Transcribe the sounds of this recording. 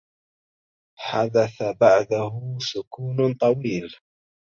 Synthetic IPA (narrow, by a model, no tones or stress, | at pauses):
ħad̪aθabaʕd̪ahʊsʊkuːnt̪ˤɑwiːl